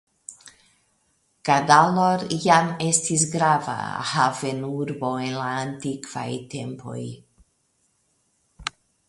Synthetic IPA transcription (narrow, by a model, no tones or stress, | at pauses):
kadaloɾjamestis̬ɡɾava̰have̞nuɾbo̞e̞nlaːntikv̥a̰jte̞mpʰo̞̰j